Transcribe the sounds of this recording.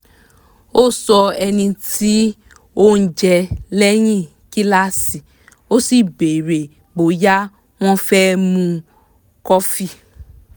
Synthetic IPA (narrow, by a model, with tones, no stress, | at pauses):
o˦˨sɔ˧ɛ˧nĩ˧ti˦ | o˦n̩˦d͡ʒɛ˧lɛ˦j̃ĩ˦˨ | ki˦la˦si˨ | o˦si˨be˨ɾe˨ | ɡ͡bo˨ja˦ | w̃ɔ̃˦fɛ˦mũ˧ | kɔ˦fi˦